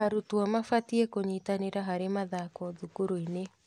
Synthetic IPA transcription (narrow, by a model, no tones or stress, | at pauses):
aɾutwamafatiekoɲitaneɾaɦaɾemaðakɔðukuɾoine